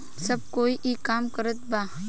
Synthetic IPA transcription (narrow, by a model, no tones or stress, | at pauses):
sɐb̚koːiʔikaːmkəɾət̪̚baː